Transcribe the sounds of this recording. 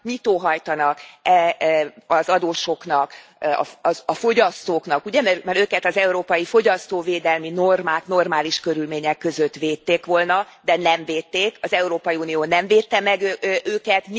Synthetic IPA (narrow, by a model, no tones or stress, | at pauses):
mit̪oːɦɒjt̪ɒnɒkɛ | ɒzɒd̪oːʃo̞knɒkɒ̰ɒfo̞ɟɒst̪oːknɒkuɟɛmɛmɛɾøːkɛt̪ɒzɛuɾoːpɒjifo̞ɟɒst̪oːveːd̪ɛlmino̞rmaːkno̞rmaːliʃkø̞ɾylmeːɲɛkːø̞zøt̪ʋeːt̪ːeːkʋo̞lnɒd̪ɛnɛmveːt̪ːeːkɒzɛuɾoːpɒjiuːnioːnɛɱveːt̪ːɛmɛɡøøːkɛt̪m